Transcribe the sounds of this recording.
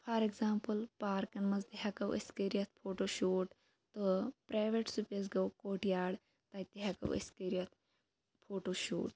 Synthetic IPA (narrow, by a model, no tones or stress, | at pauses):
fʰaːɾeɡzaːmpəlpaːɾkɐnmɐzd̪iɦakɐwʔḛskeɾijɐt̪̚ʰpʰoːʈoːʃoːʈ | t̪əpɾaːjʋeʈsupʲɐz̬ɡɐwkoːʈijaːɽ | t̪at̪iɦakɐ̰wḛskeːɾijɐt̪̚ʰ | pʰoːʈoːʃṵːʈ